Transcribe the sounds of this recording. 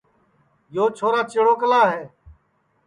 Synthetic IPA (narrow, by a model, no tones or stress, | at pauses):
joːt͡ʃʰoːɾaːt͡ʃeːɽoːkəlaːɦeː